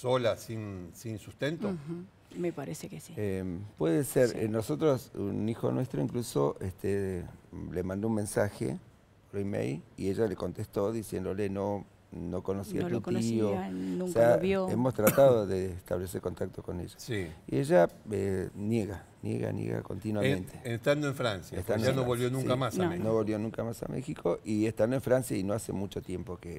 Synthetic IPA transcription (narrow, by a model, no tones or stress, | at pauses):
solasinsinsust̪ent̪o | mepaɾesekesiepwe̞ðeseɾenoso̞t̪ɾosṵnixo̰nwest̪ɾo̞iŋkluso̞ʔest̪e | lemãnd̪ounmensaxḛ | oloimḛjlieʒale̞kont̪est̪o̞ðisjend̪oleno | nokonosia̰t̪ut̪iooseaoemo̞st̪ɾat̪aðoðest̪a̰βle̞seɾko̞nt̪ak̚t̪oko̞nḛʒasiieʒaenjeɣa | njḛɣa̰njḛɣa̰ko̞̰nt̪inwamẽnt̪e̥est̪and̪oeɱfɾansjaest̪and̪anoβolβjonũŋskamasnoβolβjo̞nũŋkamasa̰mḛxikʰo̞ʔiest̪and̪oeɱfɾansjainoase̞̰mut͡ʃo̞t̪je̞mpoke